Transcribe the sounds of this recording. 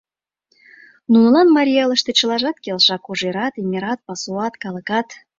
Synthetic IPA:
nunə̆lɑnmɑɾʲijɑləʃt̪et͡ɕə̆lɑʒɑt̪kelʃɑkoʒeɾɑt̪imʲiɾɑt̪̚pɑsuɑt̪kɑlə̆kɑt̪

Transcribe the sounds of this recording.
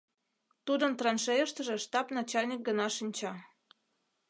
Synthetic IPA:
t̪ud̪ənt̪rɑnʃejəʃt̪ə̆ʒĕʃt̪ɑpnɑt͡ɕɑlʲnʲik̚ɡənɑʃinʲt͡ɕɑ

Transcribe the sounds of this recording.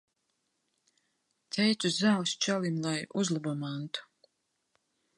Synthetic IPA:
t̪ʰɛjt̪suzawst͡ʃalimlˠajuzlˠabɔmant̪u̥

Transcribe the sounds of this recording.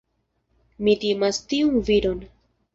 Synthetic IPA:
mitimastiunviɾo̞n

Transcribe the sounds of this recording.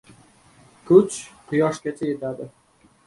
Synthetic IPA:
kʰʊt͡ʃqʰʊjɒʃkʲat͡ʃʰajet̪ad̪ɪ

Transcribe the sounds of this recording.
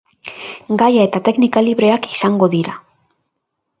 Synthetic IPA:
ɡajae̞t̪at̪e̞knikaliβɾe̞aki̥saŋɡo̞ðiɾa

